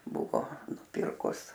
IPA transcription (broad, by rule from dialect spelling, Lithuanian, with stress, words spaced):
ˈbʊʋoː nʊˈpʲɪrkʊs